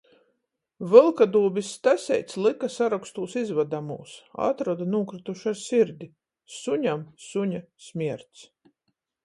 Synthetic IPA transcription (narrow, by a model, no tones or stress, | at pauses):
vɨlˠkad̪uːbist̪æsʲɛ̰jt̪slˠikasaɾakst̪uːsizvad̪amṵːsa̰t̪ɾɔd̪anuɔkɾɨt̪uʃaɾsiɾd̪ʲi | suɲamsuɲasʲmʲiɛɾt̪s